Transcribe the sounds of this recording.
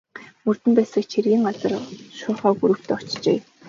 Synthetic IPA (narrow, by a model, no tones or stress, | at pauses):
mɵr̥t̪ɘ̆mpæːsə̆kt͡ɕʰerɣʲiːŋɢat͡sə̆rʃʊːχɔːɡuɾɵ̆wt̪ʰːɔ̥t͡ɕt͡ɕḛː